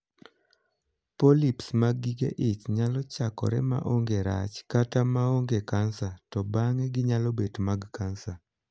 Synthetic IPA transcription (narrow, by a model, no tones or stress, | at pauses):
polipsmaɡiɡḛʔɪt͡ʃɲalɔt͡ʃakɔ̰ɾɛ̰ma̰ʔoŋɡeɾa̰t͡ʃkatamaoŋɡekansatɔbaŋɛɡɪɲalɔbedmaɡkansa